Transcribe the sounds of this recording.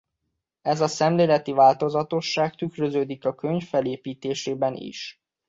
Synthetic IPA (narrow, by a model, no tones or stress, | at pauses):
ɛzɒsɛmleːlɛt̪ivaːlt̪o̞zɒt̪o̞ʃːaːk̚t̪ykɾøzøːd̪ikɒkøɲfːɛleːpiːt̪eːʃeːbɛnḭʃ